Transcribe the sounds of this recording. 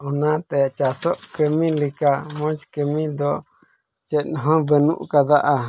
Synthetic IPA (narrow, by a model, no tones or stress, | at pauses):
unãt̪et͡ʃasoʔkəmĩlikamõt͡ʃi̥kəmĩd̪o | t͡ʃenɦõβənṵ̃ʔkad̪aʔa